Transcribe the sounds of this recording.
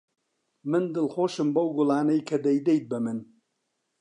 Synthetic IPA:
mɨnd̪ɨlχoːʃɨmbɐwɡʊlaːnɐjkʰɐd̪ɐjd̪ɛjt̪̚bɐmɨn

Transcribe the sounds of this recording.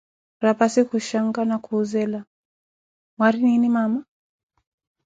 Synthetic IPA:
ɾapasikuʃaŋɡanakʰuːzɛla | mwaɾininimama

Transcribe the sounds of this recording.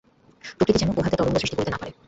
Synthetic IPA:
pɾokɾit̪ed͡ʑɛnopoɦat̪eɾt̪ɔdont̪osɾiʃʈikoɾt̪ena̰paɾe

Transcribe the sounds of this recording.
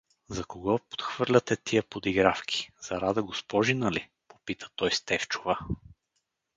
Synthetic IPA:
zɐkoɡɔpo̥t̪xvɤɾlʲɐt̪ɛt̪iəpod̪iɡɾafkʲʰi̥zɐɾad̪əɡospɔʒinəli | po̥pit̪ə̥t̪ɔjst̪ɛft͡ʃʊ̥va

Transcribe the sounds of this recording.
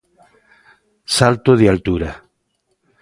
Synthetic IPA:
salt̪oðialt̪uɾa

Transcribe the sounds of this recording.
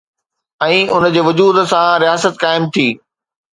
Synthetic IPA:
ɛ̃ːʊnd͡ʑeːʋʊd͡ʑuːd̪sãɾijaːsət̪kaːɪmt̪ʰiː

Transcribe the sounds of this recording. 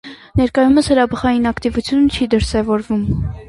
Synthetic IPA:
nɛɾkɑjuməshəɾɑbəχɑjinɑkt̪ivut͡sʰjunət͡ʃʰid̪əɾsɛvɔɾvum

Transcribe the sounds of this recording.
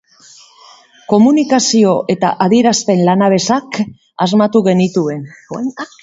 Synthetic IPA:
ko̞munikasio̞ʔe̞t̪a̰ʔaðieɾaspe̞nlanaβe̞sak | azmat̪uɣe̞nit̪ue̞n

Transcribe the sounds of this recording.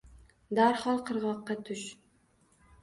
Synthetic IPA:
d̪aɾχɑlˠqʰɨɾʁɒqːɑt̪ʰʊʃ

